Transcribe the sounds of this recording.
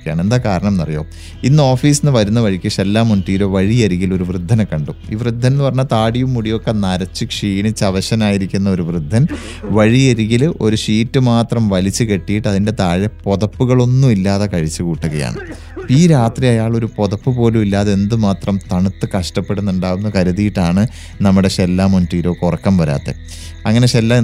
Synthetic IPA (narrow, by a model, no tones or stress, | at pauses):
jaːɳe̞nd̪aːkaːɾɐɳɐmnɐrijo̞̰ː | inːɨo̞ːfiːsinːɨʋɐɾunːɐʋɐɻikʲːɐʂelːaːmːuɳʈiːɾo̞ːʋɐɻiɐɾiɣilo̞ɾuʋrɨd̪ʱːɐnɐkɐɳɖuiːʋrɨd̪ʱːɐnnɨpɐrɐɲːɐt̪aːɽijumːuɽijo̞kːenɐɾɐt͡ɕːɨkʂiːnit͡ɕːɐʋɐɕɐnaːjiɾikʲːunːɐo̞ɾuʋrɨd̪ʱːɐn | ʋɐɻijɐɾiɣilʔo̞ɾuʂiːtːɨmaːt̪rɐmʋɐlit͡ɕːɨke̞ʈːijiʈːɐðinde̞t̪aːɻɐpo̞ðɐpːuɣɐɭo̞nːumilːaːðɐkɐɻit͡ɕːɨkuːʈːuɣɐja̰ːɳɨ | piːɾaːt̪rijɐjaːɭo̞ɾupo̞ðɐpːɨpo̞ːlumilːaːðe̞nd̪ɨmaːt̪rɐmt̪ɐɳut̪ːɨkɐʂʈɐpːe̞ɽunːuɳɖaːɣunːɐkɐɾuðijiʈːaːɳɨ | nɐmːuɽe̞ɕelːaːmonʈiːɾo̞ːkurɐkːɐmʋɐɾa̰ːt̪ːḛ | ɐŋːɐne̞ɕelːa